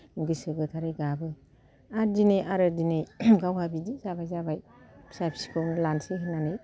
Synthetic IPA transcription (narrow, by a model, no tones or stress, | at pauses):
ɡɯsɯɡɯtʰaɾejɡabɯ | aɾdinejʔaɾɯdinejɡawhabidizabajzabaj | sapʰsi̥kʰownɯlanseɦɯnanɯj